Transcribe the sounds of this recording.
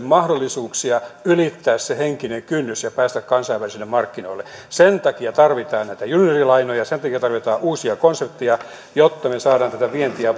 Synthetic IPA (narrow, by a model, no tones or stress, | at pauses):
mmɑhdolːˑisuːksiɑylit̪ːæːsseheŋkineŋkynːysjɑpæːst̪ækkɑnsɑiʋælisilːemɑrkːinoilːesent̪ɑkiɑt̪ɑrʋit̪ɑːnnæit̪æjunːerilɑinojɑsent̪ɑkiɑt̪ɑrʋit̪ɑːʔuːsiɑkonsep̚t̪ːiɑ | jot̪ːɑmesɑːɾɑːnt̪æt̪æʋient̪iæ